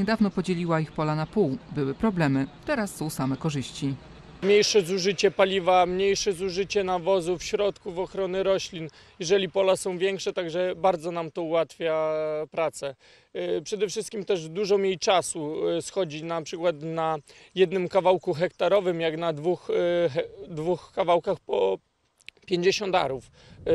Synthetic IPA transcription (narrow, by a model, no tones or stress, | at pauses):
ɲɛd̪avnɔpɔd͡ʑelʲiwaixpɔlanapuwbɘwɘpɾɔblɛmɘt̪ɛɾasːɔ̃w̃samɛkɔʐɘɕt͡ɕi | mɲejʂɛzuʐɘt͡ɕɛpalʲivamɲejʂɛzuʐɘt͡ɕɛnavɔzufɕɾɔt̪kuvɔxɾɔnɘɾɔɕlʲin | jɛʐɛlʲipɔlasɔ̃w̃vʲjɛŋkʂɛt̪aɡʐɛbaɾd̪zɔnamt̪ɔuwat̪fʲjapɾat̪sɛ | pʂɛd̪ɛfʂɘst̪kʲimt̪ɛʐd̪uʐɔmʲjejt͡ʂasusxɔd͡ʑinapʂɘkwat̪najɛd̪nɘmkavawkuxɛk̚t̪aɾɔvɘmjaɡnad̪vux | d̪vuxkavawkaxpɔ | pʲjeɲd͡ʑeɕɔ̃nd̪a̰ɾuf